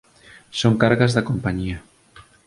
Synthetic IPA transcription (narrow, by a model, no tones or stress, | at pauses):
soŋkaɾɣazðakompaɲia